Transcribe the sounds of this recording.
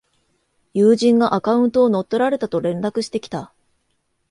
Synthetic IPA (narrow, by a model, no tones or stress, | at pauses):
jɯːʑĩŋɡaʔakaɯ̟̃nt̪o̞ːno̞t̪ːo̞ɾaɾe̞t̪at̪o̞ɾẽ̞nɾakɯ̟ɕi̥t̪e̞kʲi̥t̪a